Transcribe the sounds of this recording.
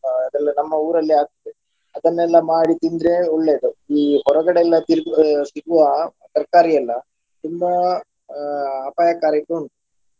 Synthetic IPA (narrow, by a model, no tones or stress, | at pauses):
ɐd̪ɐlːɐnɐmːɐuːɾɐlːiaːɡ̚t̪ite | ɐd̪ɐnːɛlːɐmaːɽit̪ind̪ɾeɔɭːeːd̪uiːhɔɾɐɡɐɽeɛlːɐt̪iɾɡsiɡuʋɐ | t̪ɐɾkaːɾijɐlːɐ | t̪umːɐ | aːpaːjɐkaːɾɐkoɳu